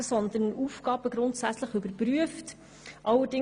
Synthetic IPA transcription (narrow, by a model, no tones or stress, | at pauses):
əsɔnd̪əɾnuːfɡ̥ɑːb̥əɡɾʊntsæt͡sləχybəɾpɾyəft | ʔɑlːədɪ